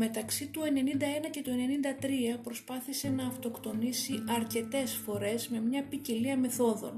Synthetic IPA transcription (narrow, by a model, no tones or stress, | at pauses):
me̞t̪ɐksit̪ue̞ne̞nind̪ɐe̞nɐce̞t̪ue̞ne̞nind̪ɐt̪ɾiɐpɾo̞spɐθise̞nɐːft̪o̞kt̪o̞nisiʔɐɾce̞t̪e̞sfo̞ɾe̞zme̞mɲɐpiceliɐme̞θo̞ðo̞̰n